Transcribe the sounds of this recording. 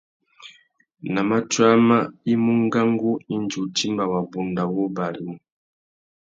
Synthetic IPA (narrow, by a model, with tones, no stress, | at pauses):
na˨ma˦t͡ʃwa˦ma˦i˦mu˦ŋ˦ɡa˦ŋɡu˦i˦nd͡ʒu˨ti˦mba˨wa˨bu˨nda˨wu˦ba˨li˨mu˨